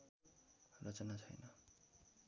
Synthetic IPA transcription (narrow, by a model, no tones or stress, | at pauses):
rʌt͡sʌnat͡sʰʌjnʌ